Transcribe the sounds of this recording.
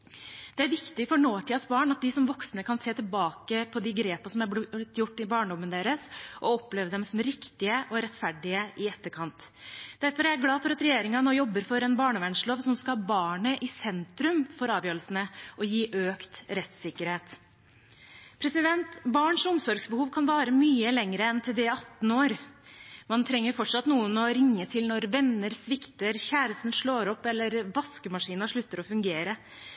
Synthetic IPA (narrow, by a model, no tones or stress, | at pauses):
d̪̥ɛæɾʋɪkt̪ɪfɔɳoːʈ̪ʰiːɑsbɑːɳɑt̪̚d̪ɪsɔmʋɔksnəkʰɑnseːt̪ɪlbɑːkəpʰɔd̪ɪɡɾeːpɑsɔmæɾt̪ːjʊʈːɪbɑːɳədɔmːənəd̪eːɾəsʔɔɔpleːʋəd̪ɛmsɔmɾɪkt̪ɪəʔɔɾɛt̪ːfæɖɪəʔɪɛt̪ːəɾkʰɑnt̪d̪̥æɾfɔɾææɾɡlɑːfɔɾɑt̪ɾɛjeːɾɪŋɑnoːjɔbːəɾfɔɾɛnbɑːɳəʋæɳʂɭoːʋsɔmskɑhɑbɑːɳəʔɪsɛnt̪ɾʉmfɔɾɑːʋjøːɾəlsənəʔɔjiːʔøːkt̪ɾɛt̪sɪkːəɾheːt̪ | pʰɾɛsɪd̪ɛnt̪bɑːɳʂʊmsɔɾɡsbəhuːʋkʰɑnʋɑːɾəmyːəlɛŋɾəɛnt̪ʰɪld̪ɛɑt̪noːɾ | mɑnt̪ʰɾɛŋːəɾfɔʈʂɑt̪nuːənɔɾɪŋːət̪ʰɪlnɔɾʋɛnːəɾsʋɪkt̪əɾçæːɾəst̪n̩ʂɭoːɾɔpːɛlːəɾʋɑskʉmɑʂiːnɑʂɭʉt̪ːəɾɔfʉŋɡeːɾə